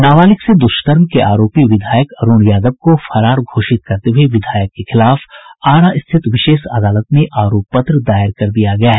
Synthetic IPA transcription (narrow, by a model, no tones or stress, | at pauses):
naːʋaːlɪksed̪ʊʃt̪əɾmkeʔaːɾoːpiʋɪd̪ʱaːjəkɐɾuːñjaːd̪əb̚kofʰɐɾaːɾɡʱoːʃɪt̪̚kɐɾt̪eɦʊeʋɪd̪ʱaːjəkːexɪlaːfaːɽ̃aɪst̪ʰɪt̪ʋɪʃeːʃɐd̪aːlət̪mẽʔaːɾoːpːɐt̪ɾəd̪aːɪɾkɐɾd̪ijaɡɐjaɦɛ